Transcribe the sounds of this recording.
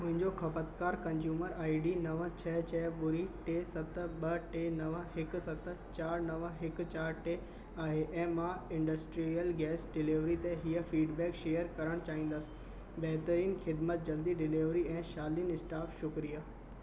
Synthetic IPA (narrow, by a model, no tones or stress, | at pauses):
mʊ̃ɦɪ̃ɲd͡ʑoxʰɐpət̪kaːɾkɐ̃ɲd͡ʑjuːməɾaːiɖinɐʋət͡ɕʰɛt͡ɕʰɛɓʊɾiʈeːsɐt̪ɓɐʈeːnɐʋəɦɪk̆sɐt̪̆t͡ɕaːɾnɐʋəɦɪk̆t͡ɕaːɾʈe | aːɦeʔɛ̃ːmãːɪ̃ɳɖəsʈɾijəlɡɛːsɖɪliʋɾit̪ẽɦiəfiːɖbɛːkʃeːjəɾkɐɾəɽ̃t͡ɕaːɦĩːnd̪əsɪ̥̆ | bɛɦt̪əɾiːnxɪd̪mət̪̚d͡ʑɐld̪iɖɪliʋɾiɛ̃ːʃaːlinɪsʈaːfʃʊkɾija